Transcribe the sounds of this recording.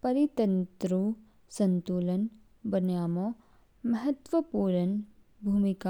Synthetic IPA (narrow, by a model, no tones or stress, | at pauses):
pɐɾit̪ənt̪ɾu | sɐ̃nt̪uːlən | bɐnjaːmoː | mɐɦət̪ʋəpuːɾən | bʱuːmika